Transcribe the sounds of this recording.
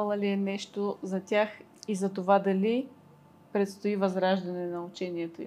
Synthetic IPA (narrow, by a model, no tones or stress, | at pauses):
lˠɐliɛnɛʃt̪ozɐt̪ʲax | izɐt̪ovad̪ɐli | pɾɛt̪st̪oivɐzɾaʒd̪ɐnɛnɐut͡ʃɛniɛt̪oi